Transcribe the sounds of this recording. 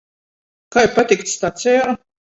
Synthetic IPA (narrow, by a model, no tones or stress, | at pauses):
kajpat̪ʲikt̪st̪at̪sʲɛaɾ